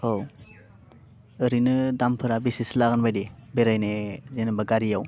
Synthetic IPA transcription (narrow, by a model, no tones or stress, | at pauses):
ow | ɯɾinɯdampʰɯɾabisislaɣɯnbajdibeɾajnezenɯbaɡaɾijaw